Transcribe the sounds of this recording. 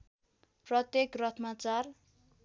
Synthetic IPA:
prʌt̪jekrʌt̪ʰmat͡sar

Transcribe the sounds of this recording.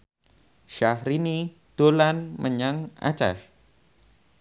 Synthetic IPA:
ʃahɾini | d̥olanmʔəɲaŋʔa̰t͡ʃa̰h

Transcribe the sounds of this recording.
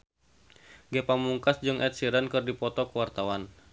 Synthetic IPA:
ɡɛpaŋmuŋkasd͡ʒɨŋʔɛt̪̚siɾankɨrdipɔt̪ɔkəwart̪awan

